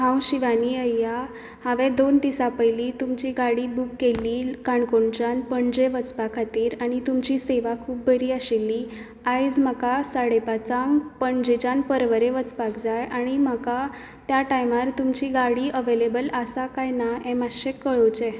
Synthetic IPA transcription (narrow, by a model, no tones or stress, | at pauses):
ɦãwɕiʋaniːəja | haʋed̪ont̪isapəjliːt̪umt͡ɕiːɡaɽiːbukːelːiːkaɳkoɳt͡ɕanpəɳd͡ʑeʋət͡spakʰat̪iːɾaɽ̃it̪umt͡ɕiːseʋakʰuːp̚bəɾiːaɕelːiː | ajd͡zmakasaɽepat͡sãŋpəɳd͡ʑet͡ɕanpəɾʋəɾeʋət͡spakd͡zajʔaɽ̃iməka | t̪jaʈajmaɾt̪umt͡ɕiːɡaɽiːəʋelebələsakajnaemaɕekːəɭot͡ɕɛ